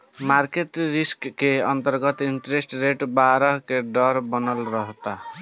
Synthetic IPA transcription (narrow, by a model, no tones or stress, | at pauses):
maɾkeʈɾiskːeʌnt̪əɾɡʌt̪iɳʈɾesʈɾeʈbaɾɔɦkeɖɔɾbɔnəlɾɔɦt̪a